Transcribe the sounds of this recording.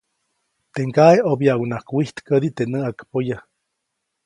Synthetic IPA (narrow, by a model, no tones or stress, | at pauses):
t̪eŋkaeobjawnakwiht̪kəd̪it̪enəakpoja